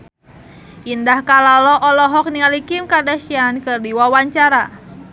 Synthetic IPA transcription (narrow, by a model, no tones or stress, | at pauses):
ʔindahkalalɔʔɔlɔɦɔk̚niŋalikimkadaʃiankɨrdiwawaɲt͡ʃaɾa